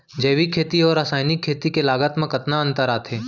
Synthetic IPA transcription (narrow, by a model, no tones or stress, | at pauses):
d͡ʒɐːʋikʰːeːt̪iɔːɾaːsaːjnɪkʰːeːt̪ikelaːɡət̪mə̃kɐt̪naɐ̃nt̪əɾaːt̪ʰɦeː